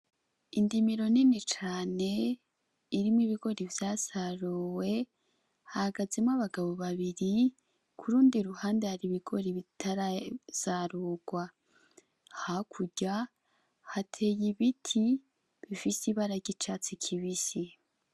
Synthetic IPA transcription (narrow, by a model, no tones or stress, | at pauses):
indimiɾo̞ninit͡ʃaːne̞ | iɾimwiβiɡo̞ɾivjazaɾuwe̞ | hahaɡazemaβaɡaβo̞βaβiɾi | kʰuɾuːndiɾuhaːndaaɾiβiɡ̥o̞ɾiβitʰaɾaz̥aɾuːɡ̥wa | hakʰuɟa | hatʰejiβitʰi | βifisiβaɾaɟit͡ʃat͡sikʰiβisi